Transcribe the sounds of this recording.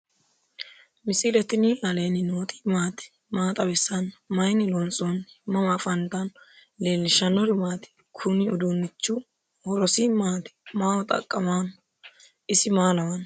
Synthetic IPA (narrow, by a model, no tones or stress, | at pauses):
mɪsɪlɛt̪ɪniɐleːnɪnoːt̪ʼi̥ːmaːt̪ɪ̥ | maːt̪ʼɐbɛsːɐnmɐjnɪlɔnt͡sʼonmːɐmafɐnt̪ɐn | leːlːɪʃɐnːɔɾʊmaːt̪ɪ̥ | kʰʊnɪʊd̪uːnːɪt͡ʃːu | hɔɾɔsiːmaːt̪ɪ̥maːwɔt̪ʼɐ̰kʼːɐmaːn | ʔɪsɪmaːlɐwɐn